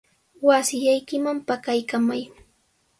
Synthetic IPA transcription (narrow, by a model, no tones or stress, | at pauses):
wasɪʎajkɪmampakajkamaj